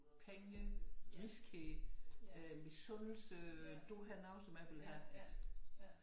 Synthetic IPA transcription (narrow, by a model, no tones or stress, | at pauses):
pʰeŋəʁiskʰe | misɔnl̩səd̥oɦænɑ̈ʊnsɒ̽mæʋelɦæ